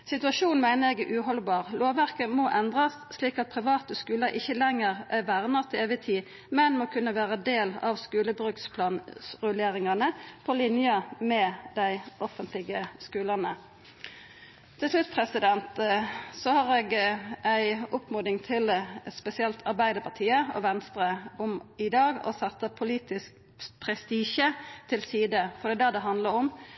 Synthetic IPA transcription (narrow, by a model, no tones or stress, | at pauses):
sɪt̪ʉɑʂuːnmæɪnəʁɛɡʔʉːɦɔlbɑːʁloːʋʋæʁkəmɔʔɛnd̪ʁɑs | sliːkɑt̪̚pʰʁɪʋɑːt̪əskʉːləʔɪçːəlɛŋːəʁʋæʁnəʁt̪ʰɪleːʋɪt̪ʰiː | mɛnmɔkʰʉnːəʋæːʁəd̪eːlɑ̰ʋskʉːləbʁʉːkspʰlɑːnsʁʉleːʁɪŋɑnəpʰɔlɪnjəmɛd̪̥æɪʔɔfənt̪ʰlɪɡəskʉːlɑnə | t̪ʰɪlslʉt̪pʰʁɛsɪd̪ɛnt̪sɔhɑːʁeːɡʔæɪʊpmuːd̪ɪŋt̪ʰɪlspɛsɪɛlt̪ʰɑʁbæɪd̪əpʰɑt̪ʰiːəɔ̰ʋɛnst̪ʁəʊmɪd̪ɑːɡɔ̰sɛt̪ːəpʰʊliːt̪ɪsk̚ | pʰʁɛst̪iːʃət̪ʰɪlsiːd̪əfɔd̪ɛːd̪ɑd̪ɛɦɑnd̪ləɾɔm